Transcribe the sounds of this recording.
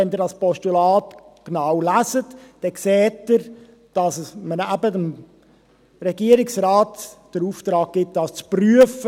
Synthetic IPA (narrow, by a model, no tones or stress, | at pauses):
ɛnd̪ɪɾdɑspɔstulɑːtknawlæsətd̥ɛkseːtəɾ | d̥ɑsmənæbədəm | rɛɡiəɾɪksɾaːtd̥əɾuːft̪ɾɑːk̚ɡ̥ɪt̚d̥ɑst͡spɾyəfə